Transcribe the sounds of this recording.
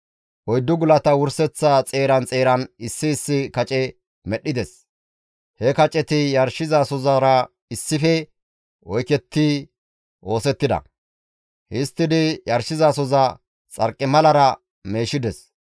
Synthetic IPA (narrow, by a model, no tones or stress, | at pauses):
ʔɔjd̪ːʊɡʊlɐt̪ɐwʊɾsɛt͡sːat͡sʼe̞ːɾɐnt͡sʼe̞ːɾɐnɪsːɪːsːɪkɐt͡ʃʼɛ | mɛɗɪd̪ɛs | hɛkɐt͡ʃʼɛt̪ɪjɐɾʃɪzaːsɔzɐɾɐ | ɪsːɪfɛ | ɔjkɛt̪ːi | ʔo̞ːsɛt̪ːɪd̪ɐ̰ | hɪst̪ːɪd̪ɪjɐɾʃɪzaːsɔzɐ | t͡sʼɐɾkʼːɪmɐlɐɾɐ | me̞ːʃɪd̪ɛs